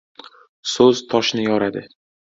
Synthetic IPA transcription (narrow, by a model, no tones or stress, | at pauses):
sɵzt̪ʰɒʃnɪjɒɾad̪ɪ